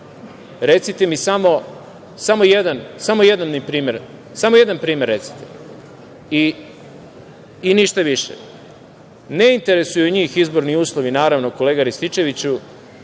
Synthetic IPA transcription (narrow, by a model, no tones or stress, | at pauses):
ɾe̞t̪sit̪e̞misamo̞ | samo̞jed̪ansamo̞jed̪anːipɾiːme̞ɾ | samo̞je̞d̪anpɾiːmeɾːe̞t̪si̥t̪e̥ | i | iniʃt̪aʋiʃḛ | neint̪e̞ɾe̞sujuɲiːxizbo̞ɾniuːslˠo̞ʋinaːɾaʋnoko̞le̞ːɡaɾist̪it͡ʃe̞ʋit͡ɕu